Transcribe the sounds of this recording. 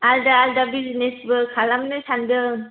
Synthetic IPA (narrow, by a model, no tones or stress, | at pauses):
aldaaldabiznesbɯkʰalamnesandɯ